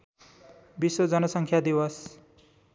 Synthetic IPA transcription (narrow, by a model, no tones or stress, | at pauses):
biswod͡zʌnʌsʌŋkʰjad̪iwʌs